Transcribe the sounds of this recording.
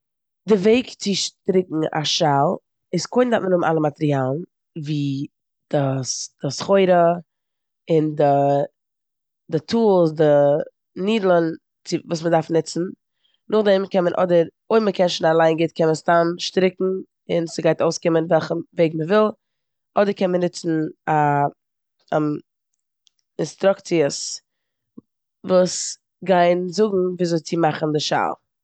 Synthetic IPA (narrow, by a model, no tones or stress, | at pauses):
dɪveɪkt͡sɪʃtɾɪkŋ̩a̰ʃalˠ | ɪskoɪndatmənʊmnʔa̰lˠəmatɾiaːlˠn̩ | viː | d̥asd̥ɪsχoɪɾə | ɪndɪ | dɪtʰuːlˠsdɪ | niːdl̩ˠn | t͡sɪvuːsmədaɾfnɪt͡sn̩ | nʔʊχdɛmkɛnmənʔɔ̰dəɾ | oɪməkʰɛnʃnalˠaɪnɡɪtkʰɛnməstamʃtɾɪkŋ̩ | ɪnsəɡaɪtoʊskɪmənvɛlˠχəveɪɡməvɪlˠ | ɔdəɾkɛnmənɪt͡sn̩a | ɪnstɾʊkt͡siəs | vuːs | ɡaɪnzʊɡŋ̩viːzoɪt͡sɪmaχn̩dɪʃa̰lˠ